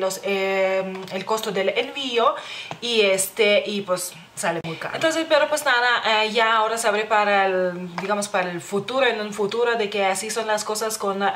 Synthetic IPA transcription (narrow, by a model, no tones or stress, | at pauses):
lose | elko̞st̪od̪elenvioiest̪eʔipwesː | alemujka̰ɾent̪onsespeɾopwesnaðaʔeʝaoɾasaβɾepaɾald̪iɣamospaɾaelfut̪uɾoenũnfut̪uɾoðekeasisonlaskosaskon